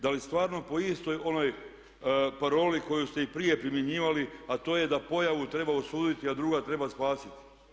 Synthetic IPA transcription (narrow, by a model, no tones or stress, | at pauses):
d̪alist̪ʋaːɾno̞po̞ist̪o̞jo̞no̞j | paɾo̞ːliko̞just̪e̞ipɾije̞pɾimjeɲiːʋaliat̪o̞je̞d̪apo̞jaʋut̪ɾe̞baosuːd̪it̪iad̪ɾuɡat̪ɾe̞baspaːsit̪i̥